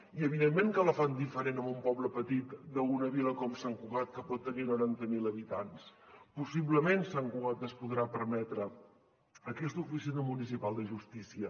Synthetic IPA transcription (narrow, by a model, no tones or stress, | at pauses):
iəβiðemːeŋkələfand̪ifəɾenəmumpɔβləpət̪it̪d̪əunəβiləkɔmsaŋkuɣat̪̚kəpɔt̪ːəninuɾant̪əmiləβit̪anspusiβləmensaŋkuɣat̪əspuðɾapəɾmɛt̪ɾə | əkɛst̪ufisinəmunisipalˠd̪əʒust̪isiə